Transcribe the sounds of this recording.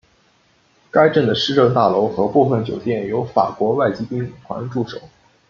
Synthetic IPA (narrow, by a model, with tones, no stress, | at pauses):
ka˥ɪʈ͡ʂə˥˩nd̪ə˩ʂɻ̩˥˧ʈ͡ʂɤ˥˧ŋt̪a˥˩lo˧˥ʊxɤ˧˥pu˥˧fə˥˩nt͡ɕjo˨˩ʊt̪jɛ˥˩njo˧˥ʊfa̰˨˩kwɔ˧˥wa˥˩ɪt͡ɕi˥py˥n˨˩kʰwa̰˧˥nʈ͡ʂu˥˩ʂo̰˨˩˦